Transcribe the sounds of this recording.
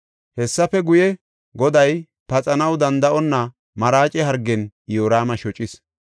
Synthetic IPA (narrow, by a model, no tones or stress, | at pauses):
hɛsːɐfɛɡʊjɛ | ɡɔd̪ɐj | pɐt͡sʼɐnɐwd̪ɐnd̪ɐʔɔnːɐ | mɐɾaːt͡ʃʼɛɦɐɾɡːɛnjoːɾaːmɐʃɔt͡ʃʼɪs